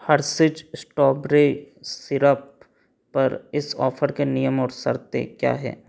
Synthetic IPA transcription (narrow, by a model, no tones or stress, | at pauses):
hɐɾsɪd͡ʒsʈɔːbɾe | sɪɾəpː | ɐɾɪsɔːfʰəɾkenijəmɔːɾsɐ̰ɾt̪ḛkja̰ːɦɛ̰ː